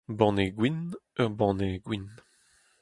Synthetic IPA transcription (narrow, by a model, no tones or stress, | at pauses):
bɑ̃ːneɡwinœʁbɑ̃neɡwin